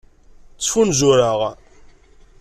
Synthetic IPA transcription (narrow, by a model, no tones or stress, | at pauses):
t͡sːfunzuɾaʁ